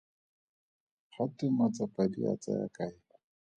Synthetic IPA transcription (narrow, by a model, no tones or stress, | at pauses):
χatɪmat͡sapʼadia̰t͡sʼa̰ja̰kaɪla